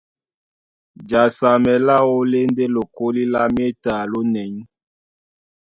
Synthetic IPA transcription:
d͡ʒa˨sa˨mɛ˨la˦wo˦le˦nde˦lo˨ko˦li˦la˦m˦e˦ta˨lo˦nɛ˨ɲ˦

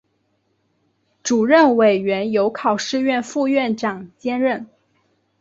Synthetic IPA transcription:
ʈ͡ʂu˨˩ɻə˥˩nwe˨˩ɪɥɛ˧˥njo˧˥ʊkʰɑ˨˩ʊʂɻ̩˥˧ɥɛ˥˧nfu˥˧ɥɛ˥˩nʈ͡ʂɑ˨˩ŋt͡ɕjɛ˥nɻə˥˩n

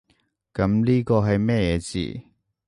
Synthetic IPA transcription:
kɐ˨˥mliː˥kɔː˧ɦɐ˨jmɛː˥˧jɛː˨˧˥t͡sḭː˨˩

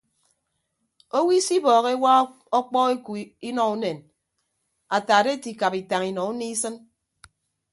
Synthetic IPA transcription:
o˦wi˦si˦bɔː˨ɣe˦wa˦ | ɔ˦k͡pɔ˦e˦ku˨˦i˦nɔ˨u˦ne˨n | a˨taː˨de˦ti˨ka˨pi˨ta˨ŋi˨nɔ˨u˦ni˦sɨ˦n

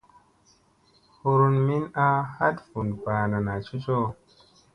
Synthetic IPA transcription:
hu˧ɾu˧nmi˦na˦ha˦tfu˨npa˨na˨na˨t͡ʃu˦t͡ʃo˦

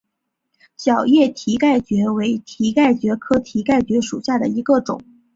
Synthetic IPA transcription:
ɕjɑ˨˩ʊjɛ˥˩t̪ʰi˧˥ka˥˩ɪt͡ɕɥɛ˧˥we˧˥ɪt̪ʰi˧˥ka˥˩ɪt͡ɕɥɛ˧˥kʰɤ˥t̪ʰi˧˥ka˥˩ɪt͡ɕɥɛ˧˥ʂṵ˨˩ɕja˥˩d̪ə˩i˧˥ɡə˥˧ʈ͡ʂʊ̰˨˩˦ŋ

